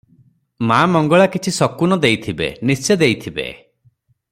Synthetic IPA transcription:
maːmɔŋɡɔɭakit͡ʃʰisɔkunɔd̪ejt̪ʰibḛnist͡ʃed̪ejt̪ʰibḛ

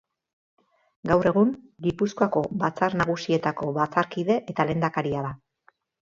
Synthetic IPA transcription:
ɡawre̞ɣ̞unɡipuskoako̞bat͡saɾnaɣ̞usie̞t̪ako̞βat͡saɾkiðe̞ʔe̞t̪ale̞ːnd̪akaɾiaða

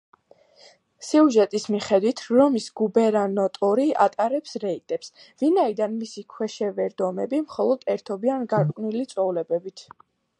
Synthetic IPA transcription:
siuʒɛt̪ʼismiχɛd̪wit̪ʰɾɔmisɡ̥ubɛɾanɔt̪ʼɔɾia̰t̪ʼaɾɛpsɾɛit̪ʼɛpsvinaid̪anmisikʰwɛʃɛvɛɾd̪ɔmɛbimχɔlˠɔd̪̥ɛɾt̪ʰɔbianɡaɾʼkʼnilit̪sʼɔulɛbɛbit̪ʰ

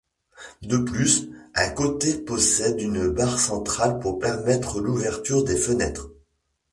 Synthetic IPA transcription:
d̪əplysɛ̃kot̪epɔsɛd̪ynbaʁsɑ̃t̪χalpuʁpɛʁmɛt̪χəluvɛʁt̪yʁd̪efənɛt̪χ

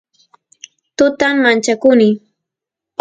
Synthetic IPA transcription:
t̪ʊt̪amːant͡ʃakʊnɪ

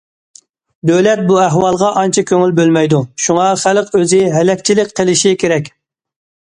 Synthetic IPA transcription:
d̪ølɛt̪̚buɛɦwɑlˠʁɑʔɑnt͡ʃʰɑkʲʰøŋylbølmɛjd̪uʃuŋɑχæləqøzɪɦɛlɛkʲt͡ʃʰilɪkʲqʰəlɪʃikʲeɾɛkʲ

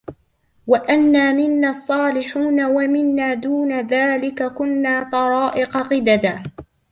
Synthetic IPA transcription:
waʔanːaːmɪnːaːɑsˤːɑːlɪħuːnawamɪnːaːd̪uːnaðaːlɪkakʊnːaːt̪ˤɑɾˤɑːʔɪqɑqɪd̪ad̪aː

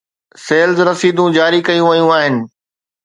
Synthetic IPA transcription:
seːlzɾɐsiːd̪ũd͡ʑaːɾikɐjũʋɐjũaːɦɪnɪ̆

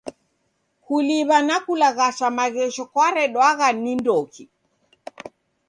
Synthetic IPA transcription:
kuliβanakulaɣaʃamaɣɛʃɔkwaɾɛɗwaɣanindɔki

